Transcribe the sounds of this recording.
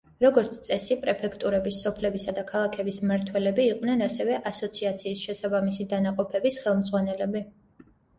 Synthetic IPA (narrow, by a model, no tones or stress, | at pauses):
ɾɔɡɔɾt̪sʰt̪sʼɛsipʼɾɛpʰɛkʰt̪ʼuɾɛbisːɔpʰlɛbisad̪akʰalˠakʰɛbismaɾt̪ʰwɛlɛbiːqʼwnɛnasɛvɛʔasɔt̪sʰiat̪sʰiːsʃɛsabamisid̪anaqʼɔpʰɛbisχɛlˠmd̪zʁwanɛlɛbi